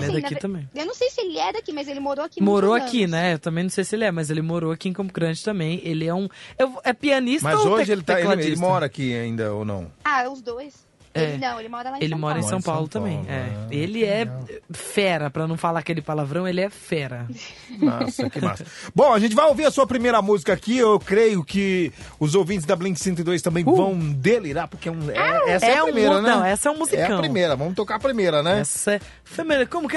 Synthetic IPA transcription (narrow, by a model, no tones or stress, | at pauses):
lɛ̃d̪ak̪it̪ɐ̃mbẽj̃ewnɐ̃w̃sejsɪelɪɛd̪akimɐjzelɪmoɾoakimoɾoakinɛewt̪ɐ̃mẽnɐ̃w̃sejsɪelɪɛmɐzelɪmoɾoakiẽkõmʊɡɾɐ̃d͡ʒɪ̥t̪ɐ̃mbẽj̃elɪɛũewɛpiɐnismtazɐzoʒɪelɪt̪aeklaeilɪmɔɾɐakiaĩnd̪ɐ̰o̰nɐ̰̃w̃aʊzd̪ojs | ɛnɐ̃w̃elɪmɔɾɐlãelɪ̃mɔɾɐẽsɐ̃w̃pawlʊt̪ɐ̃mbẽj̃ɛelɪɛfɛɾɐpɾɐnɐ̃w̃falaɾɐkelɪpalavɾɐ̃w̃elɪɛfɛɾɐ | na̰sɐkɪma̰sbõɐʒẽnt͡ʃɪvajoviɾɐsuɐpɾimejɾɐmuzikɐaːkiewkɾejʊkɪʊzowvĩt͡ʃ̬ɪzd̪ɐblĩkɪ̥sẽnt̪̬ɪd̪ojst̪ɐ̃mbẽj̃vɐ̃w̃d̪eliɾaɾpʊɾkeɛũɛɛsɛɐpɾĩmejɾɐnɐɛ̃w̃ɛsɐɛũmuziɛkɐɐ̃wpɾĩmejɾɐvɐ̃mʊt̪okaɐpɾimejɾɐnɛɛsɐɛ | femeɐkõmʊkɪ